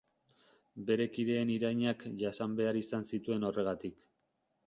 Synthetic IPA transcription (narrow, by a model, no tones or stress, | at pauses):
be̞ɾe̞kiðe̞ːniɾajɲakʝasambe̞aɾisansit̪ue̞no̞re̞ɣ̞at̪ik